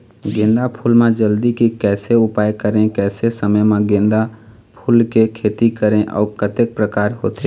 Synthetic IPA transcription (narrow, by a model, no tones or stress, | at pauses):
ɡẽːnd̪apʰuːlmẽd͡ʒəld̪ikikɛːseʊpaːjkəɾẽkɛːsesəməjmẽɡẽːnd̪a | pʰuːlkekʰeːt̪ikəɾẽʔɔ̰ːɾkət̪ek̚pɾəkaːɾɦoːt̪e